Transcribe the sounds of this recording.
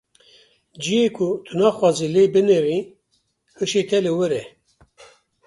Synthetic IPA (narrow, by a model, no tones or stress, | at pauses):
d͡ʒijeːkʰʊt̪ʰɨnɑːxwɑːzileːbɨneɾi | hɨʃet̪ʰɛlɨwɨɾɛ